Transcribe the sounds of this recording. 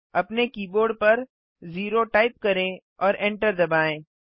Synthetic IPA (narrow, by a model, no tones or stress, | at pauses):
ɐpnekiːboːɾɖ̚pɐɾ | ziːɾoʈaːɪp̚kɐɾẽ | ɔːɾɛ̃ːɳʈəɾd̪ɐbaːẽː